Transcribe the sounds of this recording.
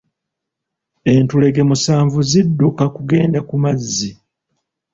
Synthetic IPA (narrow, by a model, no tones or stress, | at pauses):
e̞ntule̞ɡe̞musaːɱvuzidːukakuɡe̞ːndakumazːi